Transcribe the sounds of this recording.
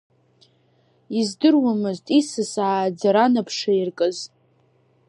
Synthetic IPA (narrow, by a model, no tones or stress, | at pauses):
izdɨrwamɨztʼisɨsaːd͡zaɾanapʰʂairkʼɨz